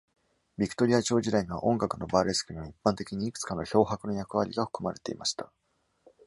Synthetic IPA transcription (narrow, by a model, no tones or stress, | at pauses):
bʲikɯ̟̥t̪o̞ɾʲiat͡ɕo̞ːʑid̪aiɲiβ̞a̰ʔõ̞ŋɡakɯ̟no̞baːɾe̞sɨ̥kɯ̟ɲʲiaipːãnt̪e̞kʲiɲ̟iːkɯ̟̥t͡sɨ̥kano̞ço̞ːɦakɯ̟no̞jakɯ̟βaɾʲḭɡaɸɯ̟̥kɯmaɾet̪e̞̰ḭmaɕi̥t̪a